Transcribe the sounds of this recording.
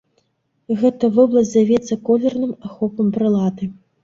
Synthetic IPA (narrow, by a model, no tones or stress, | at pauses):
ɣɛt̪ɐvɔblˠɐsʲzjavʲɛt̪sːɐkɔlʲɛrnɨmaxɔpɐmpɾɨlˠat̪ɨ